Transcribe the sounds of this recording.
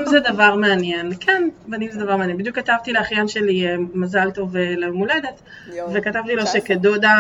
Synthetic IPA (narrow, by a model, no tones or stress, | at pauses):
mzed̪avaʁmeanjenkʰenbanimzed̪avaʁmeanjemid̪jukat̪avt̪ileaχjanʃe̞liemazalt̪o̞velemule̞d̪e̞t | ve̞kat̪avt̪ilo̞ʃe̞ked̪od̪a